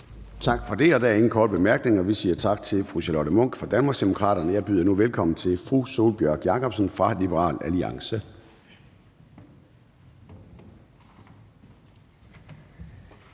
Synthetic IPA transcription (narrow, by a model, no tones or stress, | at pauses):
t͡sʰɑ̈ɡ̥fɒ̽d̥e̝ɒ̽dæe̝ŋn̩kʰɒ̰ːd̥b̥e̝mæɐɡ̥ne̝ŋɒ̽ʋisiːɐt͡sʰɑ̈ɡ̥̚t͡sʰe̝lfʁuɕælɒd̥əmɔ̽ŋ̰ɡ̥fɒ̽d̥ænmɑ̈ɡsd̥e̝mokʰʁɑ̰̈ːɾɐnəjɑ̈ɪb̥y̰ːðˠɐnuʋelkʰɒ̽mn̩t͡sʰe̝lfʁuso̝̰ːlb̥jœɐ̰ɡ̥jɑ̈kʰɒ̽b̥sənfʁɑ̈lib̥əʁɑ̰̈ːlæliɑ̈ŋsə